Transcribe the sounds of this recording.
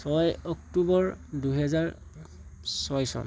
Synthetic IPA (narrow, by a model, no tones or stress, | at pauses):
sɔjɔktubɔɹduɦɛzaɹ | sɔjsɔ̰n